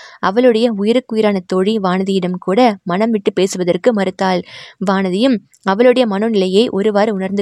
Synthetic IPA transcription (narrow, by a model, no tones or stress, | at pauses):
ɐʋɐɭɯɽɐjɐʊjɪɾɯkːʊjɪɾaːnɐt̪oːɻiʋaːnɐðɪjɪɽɐmkuːɽɐmɐnɐmʋɪʈːɯpeːsɯʋɐðɐrkɯmɐɾɯt̪ːaːlʋaːnɐðɪjɯm | ɐʋɐɭɯɽɐjɐmɐnonɪlɐjɐɪʔɔɾɯʋaːɾʊnɐɾnd̪ɯ